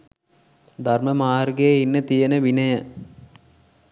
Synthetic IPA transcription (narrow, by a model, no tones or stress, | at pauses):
d̪ʱɐrmɐmaːrɡejeinːət̪ijɐnəʋinɐjɐ